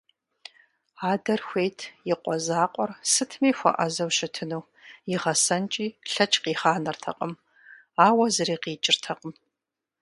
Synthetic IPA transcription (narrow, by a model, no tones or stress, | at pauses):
aːdɐrxʷejtʰjɪqʷɔzaːqʷʼɔrsɨtʰmiːxʷɔ̰ʔɐzɐwɕɪtʰɨnuː | jɪʁɐsɐnt͡ʃʼiːɬɐt͡ʃʼqiːχaːnɐrtʰɐ̰qʼəm | aːwɐzɨɾiːqiːt͡ʃʼɪrtʰɐqʼəm